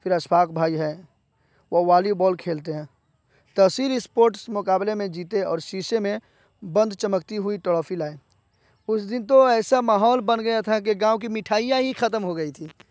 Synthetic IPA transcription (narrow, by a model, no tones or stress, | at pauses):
fʰɪɾɐsbaːkbʱaːiɦɛː | ʋoʋaːlibɔːlkʰeːlt̪eɦɛ̃ː | t̪ɐsiːlɪspoːɾʈsmʊkaːblemẽd͡ʒiːt̪eɔ̰ːɾʃiːʃemẽ | bə̃nd̪t͡ʃəmək̚t̪iɦʊiʈəɽɔːfʰilaːe | ʊsd̪ɪnt̪oɛːsamaːɦɔːlbənɡɐjat̪ʰak̬eɡãːwk̬imɪʈʰaːɪjaɦixɐt̪əmɦoɡɐit̪ʰiː